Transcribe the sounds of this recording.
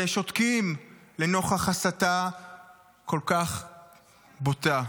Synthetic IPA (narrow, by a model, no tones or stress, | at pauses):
eʃo̞t̪kimleno̞χaχasat̪a | ko̞lkaχ | bota